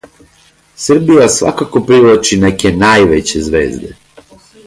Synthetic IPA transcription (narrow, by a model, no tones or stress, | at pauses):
sr̩bijasʋa̰kako̞pɾiʋlˠat͡ʃinekenajʋet͡ɕezʋeːzd̪e